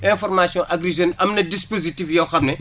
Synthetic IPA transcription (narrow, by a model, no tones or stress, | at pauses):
ɛ̃fɔrmasjɔ̃ʔɐɡɾizɐnʔɐmnɐdispozitifjɐwxɐbnɛ